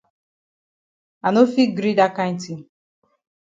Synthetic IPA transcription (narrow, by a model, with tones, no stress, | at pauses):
a˨no˦fi˦ɡɾi˦da˦ka˦n̩˦ti˨